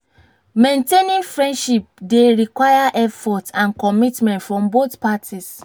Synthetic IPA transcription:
mẽntenĩnfɹɛ̃ndʃip̚deɹikwajaʔɛfɔtãnkɔmitmɛ̃ntfɹɔ̃mboθpatʰis

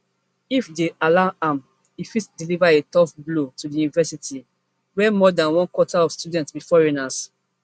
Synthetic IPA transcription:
ifdealaãm | ifitdilivaetɔfblotudijunivɛsiti | wɛmɔdãnwɔ̃nkwɔtaɔfstjudɛ̃ntsbifɔɹinas

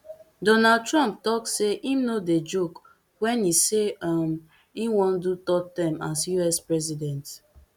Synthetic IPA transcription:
dɔnad̚tɾɔ̃mp̚tɔksseʔimnoded͡ʒok | wɛniseam | iwɔ̃ndutɔtãmasjuɛspɹɛzidɛ̃nt

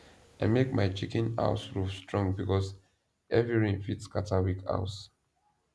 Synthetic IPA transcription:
aɪmekmaɪt͡ʃikɛ̃na̰ʊsɹufstɹɔ̃ŋbikɔs | ʔɛvɹiɹĩnfitskatawikʰa̰ʊs

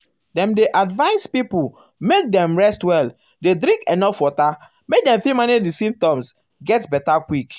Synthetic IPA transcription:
dɛ̃mdeʔadvaɪspipu | mek̚dɛ̃mɹɛstwɛl | dedɾĩŋkɛnɔfwɔta | mek̚dɛ̃mfimanidisĩmp̚tɔ̃ms | ɡɛtbɛtakwik

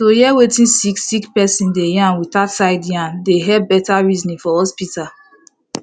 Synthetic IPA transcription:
tojɛwetĩnsiksikpɛsĩndejãnwitatsaɪdjãndeɦɛbɛtaɹiznĩfɔhɔspital

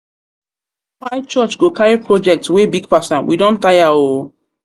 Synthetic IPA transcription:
waɪt͡ʃɔt͡ʃɡokaɹipɹɔd͡ʒɛk̚twebiɡpasãnwḭdɔ̃ntajao

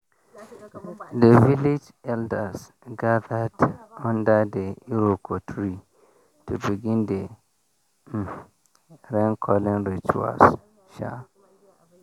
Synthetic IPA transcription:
devilid͡ʒ | ɛldəs | ɡaðadɔ̃ndədeuɹokʰɔtʰɹi | tʰubiɡĩnde | ɾɛ̃nkʰɔlĩnɹit͡ʃṵa̰s | ʃa̰

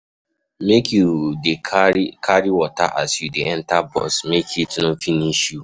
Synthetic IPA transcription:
mekjudekʰaɾiwɔta̰ʔasjudeɛ̃ntabɔ̰smekʰitnofiniʃju

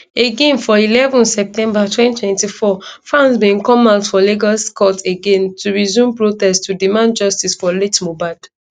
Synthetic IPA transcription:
eɡẽnfɔilɛvɔ̃nsɛp̚tɛ̃mbatwɛ̃ntʰwɛ̃ntifɔfɹãnsbĩnkɔ̃maʊtfɔleɡɔskɔteɡẽntʰuɹizũmpɹotɛstudimãnd̚d͡ʒɔstisfɔletmobaɪd

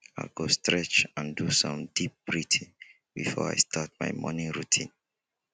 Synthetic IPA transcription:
aɡostɹɛt͡ʃãndusɔ̃mdip̚b̥ɹitʰĩn | bifɔɹa̰ɪstʰat̚ma̰ɪmɔ̰nĩnɹutʰḭ̃n

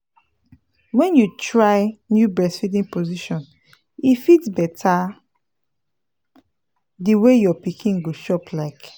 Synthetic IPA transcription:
wɛ̃njutɹaɪnjubɹɛsfidĩŋpoziʃɔ̃n | ifitbɛtʰa | diwejɔpikʰĩnɡoʃɔplaɪk

